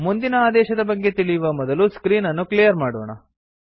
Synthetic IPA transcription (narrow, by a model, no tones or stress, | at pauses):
mund̪inɐaːd̪ɛːʃɐd̪ɐbɐɡːe̞t̪iɭijʋɐmɔd̪ɐluskɾiːnɐnːuklijɐɾmaːɽoːɳɐ̰